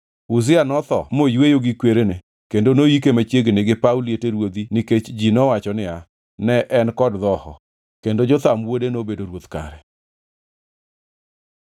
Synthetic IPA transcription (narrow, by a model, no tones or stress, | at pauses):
uzɪanɔt̪ɔ̰mojwejoɡikweɾene | kendonojik̬emat͡ʃjeɡenɪɡɪpawlieteɾwod̪inɪket͡ʃd͡ʒinɔwat͡ʃɔnɪa | nɛʔɛnkɔdd̪ɔhɔ̰ | kendod͡ʒɔt̪amwodenobedoɾwot̪ka̰ɾɛ